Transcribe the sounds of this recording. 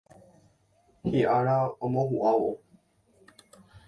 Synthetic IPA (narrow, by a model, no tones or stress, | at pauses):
hiʔaɾaomõɦuʔawo